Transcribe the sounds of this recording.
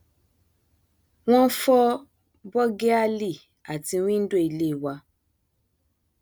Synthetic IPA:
w̃ɔ̃˦n̩˦fɔ˦ | bɔ˦ɡe˦a˦li˦˨ | a˨ti˧˦w̃ĩ˦n̩˦do˦˨i˧˨le˦i˨wa˧

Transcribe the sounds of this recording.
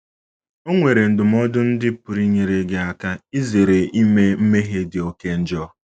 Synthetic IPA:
o˦ŋʷe˨ɾe˨n̩˨dʊ˨m̩˦ɔ˦dʊ˦n̩˦dɪ˦pʊ˨ɾi˦ɲe˨ɾe˨ɡe˨a˨ka˦i˦ze˨ɾe˨i˦me˦m̩˦me˦ɦe˦dɪ˨o˨ke˦n̩˦d͡ʒɔ˦

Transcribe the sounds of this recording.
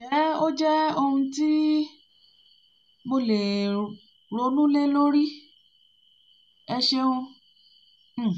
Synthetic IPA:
ʃɛ˨˦o˦d͡ʒɛ˦o˧hũ˧ti˦ | mo˧le˨ | ɾo˨˧˦nũ˦le˦lo˦ɾi˦ | ɛ˧ʃe˧hũ˧˦˨

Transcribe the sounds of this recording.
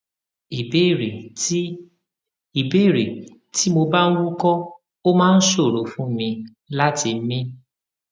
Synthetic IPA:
i˨be˦˨ɾe˨˦ | i˨be˦˨ɾe˨ | tʰi˦mo˧ba˦n̩˦wu˦kɔ˦ | o˦mãː˦˧n̩˦so˦˨ɾo˨fũ˦mĩ˧ | la˦ti˧m̩˦mĩ˦

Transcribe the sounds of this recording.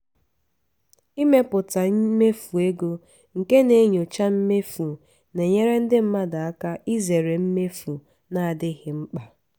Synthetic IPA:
i˦me˦pʊ˨ta˨˦me˦fu˨e˦ɡo˦ | ŋ̩˨ke˦ne˨˦ɲo˨t͡ʃa˦m̩˦me˦fu˨ | ne˨ɲe˦ɾe˦n̩˦dɪ˦m̩˦ma˦da˨a˦ka˦ʔi˦ze˨ɾe˨m̩˦me˦fu˨ | na˨a˨dɪ˦ɣɪ˦ŋ͡m̩˦k͡pa˨

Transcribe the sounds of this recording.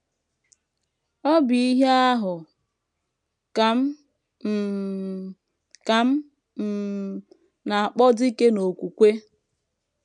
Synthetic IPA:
ɔ˦bi˦ɦe˦a˦ɦʊ˨ | ka˨m̩˦ | m̩˨ | ka˨m̩˦ | m̩˨ | na˨a˨k͡pɔ˦di˦ke˦no˨kʷu˨kʷe˦

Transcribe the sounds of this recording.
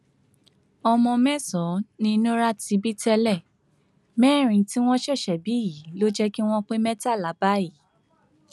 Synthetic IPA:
ɔ˧mɔ̃˧mɛ̃˦sɔ̃˨˦nĩ˧nũ˦ɾa˦ti˧˦bi˦tɛ˧lɛ˦˨ | mɛ̃˦˨ɾ̃ĩ˧˨ti˦w̃ɔ̃˦ʃɛ˦˨ʃɛ˨bi˨˦ji˨˦lo˦d͡ʒɛ˦ki˦w̃ɔ̃˦k͡pe˦mɛ̃˦ta˦˨la˨˦ba˦i˦˨

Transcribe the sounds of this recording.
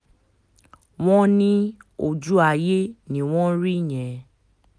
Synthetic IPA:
w̃ɔ̃˦nĩ˦o˧d͡ʒu˦a˧˨je˦nĩ˦˨w̃ɔ̃˦ɾi˦˨j̃ɛ̃˨

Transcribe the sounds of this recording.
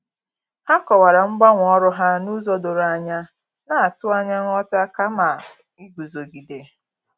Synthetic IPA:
ha˦kɔ˨wa˨ɾa˨ŋ͡m̩˦ɡ͡ba˦ŋʷ˨ɔ˦ɾʊ˦ɦa˦nu˦zɔ˦do˨ɾa˨ɲa˦ | na˦˨a˨tʊ˦a˦ɲa˦ŋ˦ɔ˦ta˦ka˦ma˨ | i˦ɡu˨zo˨ɡi˨de˨

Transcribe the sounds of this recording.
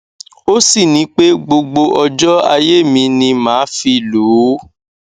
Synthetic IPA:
o˦si˦˨nĩ˨˦k͡pe˦ɡ͡bo˧ɡ͡bo˧ʔɔ˧d͡ʒɔ˦a˧je˦˨mĩ˧nĩ˧mãː˨˦fi˧˨luː˨˦

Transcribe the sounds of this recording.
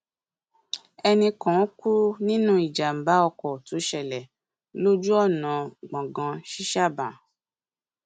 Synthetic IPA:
ɛ˧nĩ˧kɔ̃˨˦ku˦nĩ˦nũ˦i˨d͡ʒa˨m̩˨ba˨˦ɔ˧kɔ˨tu˨˦ʃɛ˨lɛ˨ | lo˦d͡ʒu˦ɔ˦˨nã˨ɡ͡bã˨ɡã˧ʃi˦ʃa˦˨bã˨

